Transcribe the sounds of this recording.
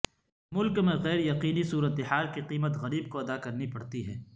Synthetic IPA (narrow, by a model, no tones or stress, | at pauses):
mʊlkmẽɣɛːɾjɐqiːnisuːɾət̪eɦaːlkiqiːmət̪ɣɐɾiːb̚koɐd̪akɐɾnipɐɽt̪iɦɛː